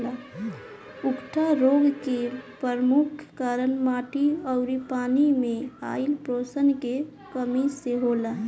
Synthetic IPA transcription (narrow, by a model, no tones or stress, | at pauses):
la | ʊkʈʰaɾoːɡkepəɾmukʰkəɾənmaːʈiɔʊɾipaːnimẽa̰ːilpɾoːsənke | kəmiseɦoːla